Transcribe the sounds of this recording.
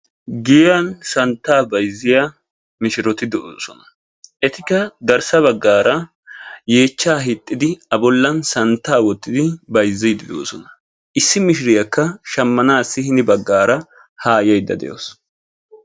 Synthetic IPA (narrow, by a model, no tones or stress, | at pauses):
ɡɪjɐnsɐnt̪ːaːbɐjzːɪja | mɪʃɪɾɔt̪ɪd̪ɛʔoːsɔnɐ̥ | ʔɛt̪ɪkːɐd̪ɐɾsɐβɐɡːaːɾɐ | je̞ːt͡ʃːaːɦɪt̪ʼːɪd̪ɪɐbɔlːɐnsɐnt̪ːaːwɔt̪ːɪd̪ɪbɐjzːɛjd̪ɪd̪o̰ːsɔnɐ̥ | ʔɪsːɪmɪʃɪɾɪjɐkːɐʃɐmːɐnaːsːɪhɪnɪbɐɡːaːɾɐ | haːjɐjd̪ːɐ̰d̪ɛ̰jo̰ːs